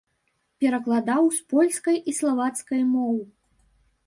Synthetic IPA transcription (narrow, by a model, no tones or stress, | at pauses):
pʲɛɾɐklˠad̪awspɔlʲskɐjislˠavat̪skɐjmɔw